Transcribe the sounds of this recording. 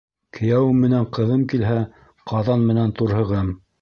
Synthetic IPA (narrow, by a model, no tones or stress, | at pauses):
kʰɘ̆jæwɘmːɘ̆næɴqɤ̆ðɤmkilɦæ | qʰɑðɑnmɘ̆nænt̪uɾhɤ̆ʁɤm